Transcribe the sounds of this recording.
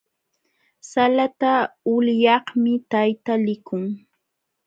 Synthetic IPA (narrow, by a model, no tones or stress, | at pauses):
salat̪aʊljɑhmɪt̪ajt̪alɪkʊŋ